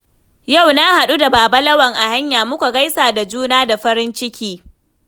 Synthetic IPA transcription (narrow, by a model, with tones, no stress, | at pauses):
ja˦˨wna˦ha˨ɗu˦da˨baː˨ba˦lɐ˦wɐ˨ŋʔa˨ha˦ɲjaː˨mʊ˦kʷa˨ɡa˦jsaː˨da˨d͡ʒuː˦naː˦da˨ɸɐ˦ɾɪ˦nt͡ʃɪ˦kʲiː˦